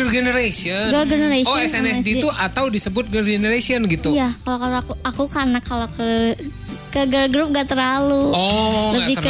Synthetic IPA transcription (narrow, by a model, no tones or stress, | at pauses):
ərɡenəɾasiɔɡəɡənəɾasɔɛsɛnɛsdiuʔat̪awdisəbʊt̪̚ɡərɡenəɾasiɔnɡit̪ujakalokalakuakukanakːalokə | kəɡərɡɾup̚ŋɡat̪əɾaluɔləbɪ